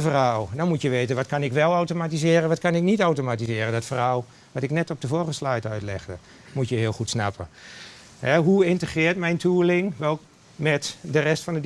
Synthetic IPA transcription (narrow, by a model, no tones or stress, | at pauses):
əfərhaldɔnmutjəʋeːtənʋɔtkanɪkʋɛlˠawtomatizɪːɾənʋɔtkanɪknitawtomatizɪːɾəndɔtfərhalˠ | ʋɑtɪknɛtɔp̚dəvoːrɣəslajtœɥtlɛ̰χdə | mutjəɦɪːəlˠxutsna̰pə̰ | hɛɦuɪntəχrɪːtmɛjntʰuːlɪŋʋɛlˠ | mɛtdərɛstfɔndə